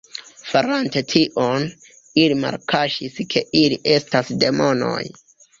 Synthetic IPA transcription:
faɾante̞tʰiʔon | ilima̰ɾkʰaʃiskʰe̞ʔiliʔe̞stasde̞mo̞no̰j

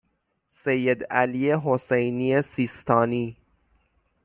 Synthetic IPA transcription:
sejːed̪ælijeɦosejniːesiːst̪ʰɒːniː

